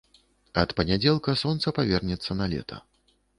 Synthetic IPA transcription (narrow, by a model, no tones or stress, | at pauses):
ɐt̪pɐnʲad͡zʲɛlˠkɐsɔnt̪sɐpavʲɛrnʲɛt̪sːɐnɐlʲɛ̰t̪ʰɐ̰